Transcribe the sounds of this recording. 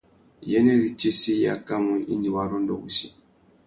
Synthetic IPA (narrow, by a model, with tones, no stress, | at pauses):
jɛ˦nɛ˦ɾi˨t͡ʃi˦si˦ja̰˦ka˦mu˨i˦ɲd͡ʒi˨wa˨ɾɔ˦ndɔ̰˨ɡu˨si˨